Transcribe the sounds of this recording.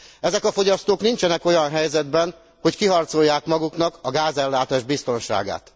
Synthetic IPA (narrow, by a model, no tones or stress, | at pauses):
ɛzɛkɒfo̞ɟɒst̪oːknint͡ʃɛnɛko̞jɒnɦɛjzɛd̪bɛn | ho̞ckiɦɒrt̪so̞jːaːkmɒɡuknɒkɒɡaːzɛlːaːt̪aːʒbist̪o̞nʃa̰ːɡa̰ːt̪